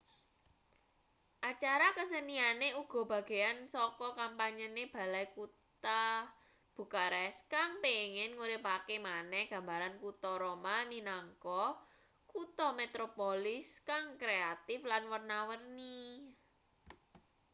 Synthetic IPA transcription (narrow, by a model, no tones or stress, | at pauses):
ʔat͡ʃaɾakəsənianeuɡ̥ɔ̤b̥ä̤ɡ̥e̤ansɔkɔkampaɲəneb̥a̤lajkut̪a | b̥ṳkaɾɛskaŋpeŋɪnŋuɾɪpakemanɛhɡ̥a̤mbaɾankut̪ɔɾomaminaŋkɔ | kut̪ɔmet̪ɾopolɪskaŋkɾeat̪ɪflanwərnawərni